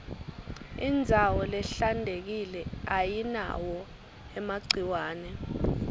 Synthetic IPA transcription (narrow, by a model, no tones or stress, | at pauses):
ind͡zʱawɔlɛɬandʱek̬ilɛajina̰wɔ | ɛmaɡ͡ǀʱiwaːnɛ